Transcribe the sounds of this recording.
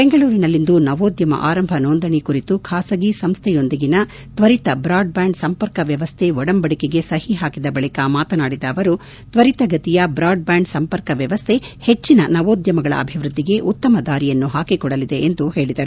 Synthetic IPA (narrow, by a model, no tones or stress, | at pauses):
be̞ŋɡɐɭuːɾinɐlːind̪unɐʋoːd̪jɐmɐ̰ʔaːɾɐmbʱɐnoːnd̪ɐɳikuɾit̪ukʰaːsɐɡisɐmst̪ʰɛjo̞nd̪iɡinɐ | t̪ʋɐɾit̪ɐbɾaːɖ̚baːɳɖsɐmpɐɾkɐʋjɐʋɐst̪ʰeɔɽɐmbɐɽikeɡe̞sɐhiɦaːkid̪ɐbɐɭikɐmaːt̪ɐnaːɽid̪ɐːʋɐɾu | t̪ʋɐɾit̪ɐɡɐt̪ijɐbɾaːɖ̚baːɳɖsɐmpɐɾkɐʋjɐʋɐst̪ʰe̞het͡ʃːinɐnɐʋoːd̪jɐmɐɡɐɭɐ̰ɐ̰bʱiʋɾud̪ːiɡe̞ʔut̪ːɐmɐd̪aːɾijɐnːuɦaːkikɔɽɐlid̪e̞ʔːnd̪uhe̞ːɭid̪ɐɾu